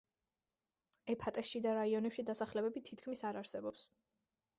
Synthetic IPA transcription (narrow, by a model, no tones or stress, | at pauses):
ɛpʰat̪ʼɛsʃid̪aɾaiɔnɛpʃid̪asaχlɛbɛbit̪ʰit̪̚ʰkʰmisaɾaɾsɛbɔps